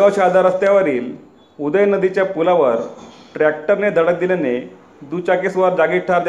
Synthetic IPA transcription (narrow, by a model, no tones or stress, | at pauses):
ɡaʋt͡ɕaad̪ʱaɾəst̪jaʋəɾiːl | ud̪əjnəd̪it͡ɕjapulaʋəɾ | ʈɾæk̚ʈəɾned̪ʱəɽək̚d̪iljane | d̪ut͡ɕakesʋaɾd͡ʑaɡiːʈʈʰaɾd̪e